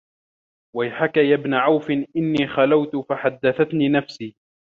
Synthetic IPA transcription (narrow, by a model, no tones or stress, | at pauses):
wajħakajabnaʕawfɪnʔɪnːiːxalawt̪faħad̪ːaθat̪niːnafsiː